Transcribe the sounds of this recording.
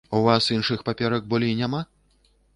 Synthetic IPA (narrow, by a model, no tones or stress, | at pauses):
uvasinʂɨxpapʲɛɾɐk̚bɔlʲijnʲama